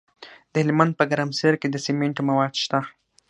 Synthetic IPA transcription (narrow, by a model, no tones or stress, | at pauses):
d̪əhɪlmand̪̚pəɡaɾamseɾked̪əsemeɳʈmawɑd̪ʃt̪a